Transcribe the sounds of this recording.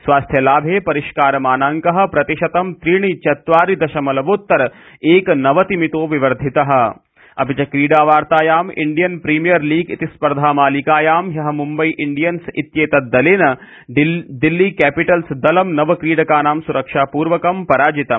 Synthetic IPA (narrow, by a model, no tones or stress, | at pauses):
sʋaːst̪ʰjɐlaːbʱeːpɐɾiʃkaːɾɐmaːnaːŋkɐɦɐ̆pɾɐt̪iʃɐt̪ɐmt̪ɾiːɳ̃it͡ʃɐt̪ʋaːɾid̪ɐʃɐmɐlɐʋoːt̪ːɐɾ | eːknɐʋɐt̪imit̪oːʋiʋɐɾd̪ʱit̪ɐɦɐ̆ | ɐ̰pit͡ʃɐkɾiːɽaːʋaːɾt̪aːjaːmḭɳɖijɐnpɾiːmijɐɾliːɡḭt̪ispɐɾd̪ʱaːmaːlikaːjaːmjɐɦɐ̆mumbɐiʔɪɳɖijɐnsit̪jeːt̪ɐd̪ɐleːnɐ | ɖ̪ilːiːkɛːpiʈɐlsd̪ɐlɐmnɐʋɐkɾiːɽɐkaːnaːmsuɾɐkʃaːpuːɾʋɐkɐmpɐɾaːd͡ʒit̪ɐm